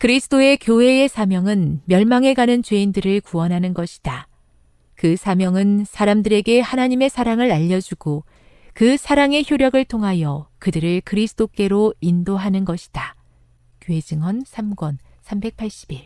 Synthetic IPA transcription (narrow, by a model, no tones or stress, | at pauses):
kɯɾisʰɯtʰoe̞kjoɦe̞e̞sʰamjʌŋɯnmjʌɭmaŋe̞ɡanɯnt͡ɕwe̞indɯɾɯɭkuwʌnɦanɯnɡʌɕʰi̥d̥a | kɯsʰamjʌŋɯnsʰaɾamdɯɾe̞ɡe̞hanaɲime̞sʰaɾaŋɯɾaʎːʌd͡ʑuɡ̥o | kɯsʰaɾaŋe̞çjoɾjʌɡɯɭtʰoŋɦajʌkɯdɯɾɯɭkɯɾisʰɯ̥t͈ʰok͈e̞ɾoindoɦanɯnɡʌɕʰi̥d̥a | kjoɦe̞d͡ʑɯŋwʌnsʰamɡwʌn | sʰambe̞k̚pʰaɭɕ͈i̥biɭ